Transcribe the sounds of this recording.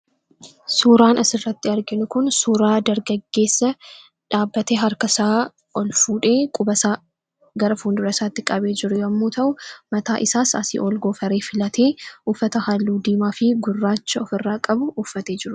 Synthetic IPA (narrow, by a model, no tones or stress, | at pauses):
suːɾaːnʔɐsɪrːɐt̪ːɪɐɾɡɪnʊkʊnsuːɾaːd̪ɐɾɡɐɡːe̞ːsːɐ | ᶑaːbːɐt̪eːɦɐɾkɐsaː | ɔlfuːᶑe̞ːkʼʊbɐsaː | ɡɐɾɐfuːnd̪ʊɾɐsaːt̪ːɪkʼɐbe̞ːd͡ʒɪɾʊjɐmːuːt̪ɐʔʊmɐt̪aːʔɪsaːsɐ̰sɪ̰ʔolɡoːfɐɾeːfɪlɐt̪ʰe̞ːuːfːɐt̪ɐhalːuːd̪iːmaːfɪɡʊrːaːt͡ʃːɐɔfɪrːaːkʼɐbʊːfːɐt̪e̞ːd͡ʒɪɾʊ